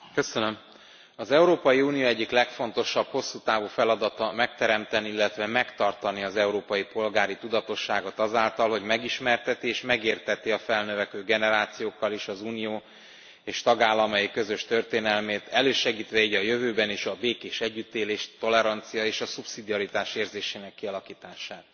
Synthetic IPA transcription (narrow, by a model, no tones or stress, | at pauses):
kø̞sønø̞m | ɒzɛuɾoːpɒjiuːnijoːɛɟːiklɛkfo̞nt̪o̞ʃɒbho̞sːut̪aːvuːfɛlɒd̪ɒt̪ɒmɛk̚t̪ɛɾɛmt̪ɛniilːɛt̪vɛmɛkt̪ɒrt̪ɒniɒzɛuɾoːpɒjipo̞lɡaːɾit̪ud̪ɒt̪o̞ʃːaːɡo̞t̪ɒzaːlt̪ɒlɦo̞ɟmɛɡiʃmɛrt̪ɛt̪ieːʃmɛɡeːrt̪ɛt̪iɒfɛlnøvɛkøːɡɛnɛɾaːt̪sijoːkːɒleːʃɒzuːnijoː | eːʃt̪ɒɡaːlːɒmɒjikø̞zø̞ʃt̪ø̞rt̪eːnɛlmeːt̪ɛløːʃɛɡiːt̪ʋɛiːɟɒjø̞vøːbɛniːʃɒbeːkeːʃɛɟːyt̪ːeːleːʃt̪o̞lɛɾɒnt̪sijɒeːʃɒsupsid̪iɒɾit̪aːʃeːrzeːʃeːnɛkːiɒlɒkiːt̪aːʃaːt̪